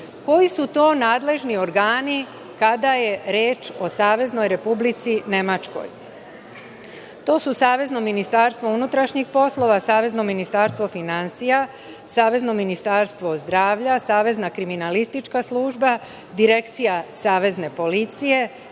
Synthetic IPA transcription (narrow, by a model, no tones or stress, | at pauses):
ko̞jisut̪o̞ːnaːd̪le̞ʒnio̞ɾɡaːni | kad̪aje̞ɾe̞ːt͡ʃo̞saːʋe̞zno̞jɾe̞publit̪sine̞mat͡ʃko̰j | t̪o̞ːsusaːʋe̞zno̞minist̪aɾst̪ʋo̞unut̪ɾaʃɲixpo̞slˠo̞ʋasaːʋe̞zno̞minist̪aːɾst̪ʋo̞finansija | saːʋe̞zno̞minist̪aɾst̪ʋo̞zd̪ɾaːʋʎasaːʋe̞znakɾiminalist̪it͡ʃkaslˠuːʒba | d̪iɾe̞kt̪sijasaːʋe̞zne̞po̞lit̪sije̞